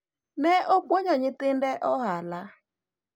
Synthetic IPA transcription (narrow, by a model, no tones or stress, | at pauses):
nɛʔok͡poɲɔɲɪtɪndɛʔɔɦala